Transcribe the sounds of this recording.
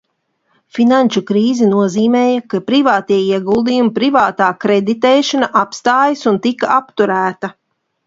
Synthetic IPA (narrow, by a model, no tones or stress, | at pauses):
finanʲt͡ʃukɾiːzinuɔziːmɛːjɐkapɾivaːt̪iɛiɛɡulˠd̪ijumipɾivaːt̪aːkɾed̪it̪ɛːʃanaʔapst̪aːjisunt̪ikaapt̪uɾæːt̪ɐ